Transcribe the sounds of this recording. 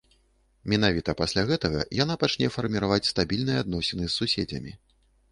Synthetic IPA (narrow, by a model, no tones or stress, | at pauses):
mʲin̪avʲit̪ɐpasʲlʲaɣɛt̪ɐɣɐ̰janapat͡ʂnʲɛfɐrmʲiɾavat͡sʲst̪abʲilʲnɨjɛad̪nɔsʲɛnɨsːusʲed͡zʲɐ̰mʲḭ